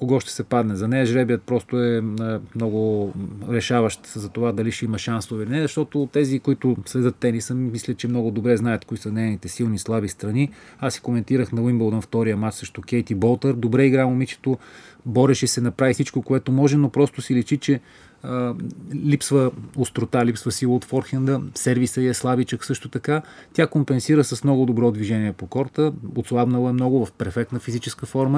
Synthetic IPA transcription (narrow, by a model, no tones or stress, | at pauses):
koɡɔʃt̪ɛ̥sɛpad̪nɛzɐnɛɐʒɾɛbiət̪̚pɾɔst̪ʊɛmnɔɡʊɾɛʃavɐʃt̪zɐt̪ovad̪ɐliʃɛimɐʃansovɛilinɛzɐʃt̪ɔt̪ot̪ɛzikoit̪ʊsvɛd̪ət̪ːɛnisəmmislʲət͡ʃɛmnɔɡʊd̪obɾɛznajɐt̪koisənɛjnit̪ɛsilˠnislˠabist̪ɾɐniasi̥komɛnt̪iɾəxnɐwimbolˠd̪ənft̪ɔɾijəmat͡ʃsɾəʃt̪okɛjt̪ibɔlˠt̪əɾd̪obɾɛiɡɾamomit͡ʃɛ̥t̪obɔɾɛʃɛsɛnɐpɾavifsit͡ʃkokoɛt̪omɔʒɛnopɾɔst̪ʊsilɛt͡ʃit͡ʃɛ | lipsvəost̪ɾot̪alipsvəsilˠəot̪fɔɾxɛnd̪əsɛɾvisəiɛslˠabit͡ʃəksɤʃt̪ot̪ɐkat̪jakompɛnsiɾəsɐsmnɔɡʊd̪obɾɔd̪viʒɛniɛpokɔɾt̪əot̪slˠabnəlˠəɛmnɔɡʊvɐfpɛɾfɛk̚t̪nəfizit͡ʃɛskəfɔɾmə